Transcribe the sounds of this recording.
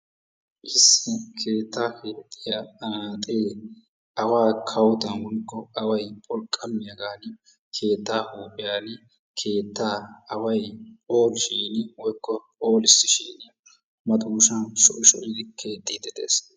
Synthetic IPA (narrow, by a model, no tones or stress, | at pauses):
ʔɪsːɪkʰe̞ːt̪ːaːkeːt̪ʼːɪjat̪ʼeː | ɐwaːkʰɐwt̪ɐnwɔnkːɔɐwɐjpʼɔlkʼːɐmɪjɐɡaːnɪ | kʰe̞ːt̪ːaːhuːpʼːɪjaːnɪ | kʰe̞ːt̪ːaːɐwɐjoːlʃiːnɪwɔjkːɔ | oːlɪsːɪʃiːnɪ | mɐt̪uːʃɐnsɔʔɪʃɔ̰ʔɪd̪ɪkʰe̞ːt̪ːiːt̪ːɛd̪ḛːs